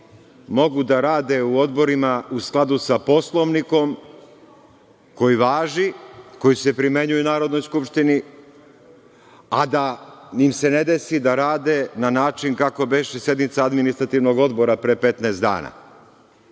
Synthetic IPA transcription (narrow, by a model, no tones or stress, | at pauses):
mo̞ɡud̪aɾaːd̪e̞uo̞d̪bo̞ɾimausklˠad̪usapo̞slˠo̞ʋniko̞m | ko̞jiʋaːʒiko̞jise̞pɾime̞ɲujunaːɾo̞d̪no̞jskupʃt̪ini | ad̪animse̞ne̞d̪e̞sid̪aɾaːd̪e̞nanaːt͡ʃinkako̞beʃesje̞d̪nit̪saad̪minist̪ɾat̪iʋno̞ɡo̞d̪bo̞ɾapɾepe̞t̪nasd̪a̰ːna̰